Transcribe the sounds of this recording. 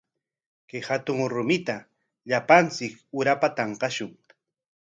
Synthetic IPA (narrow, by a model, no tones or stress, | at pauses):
kehat̪ʊŋɾʊmɪt̪a | ʎapant͡sɪkʊɾapat̪ɑɴqɑʃʊŋ